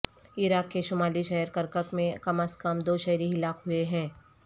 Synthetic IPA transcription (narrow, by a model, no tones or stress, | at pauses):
ɪɾaːkːeʃʊmaːliʃɐɦəɾkəɾkəkmẽkɐməskɐmd̪oːʃɛɦɾiɦɪlaːkɦʊeɦɛ̃ː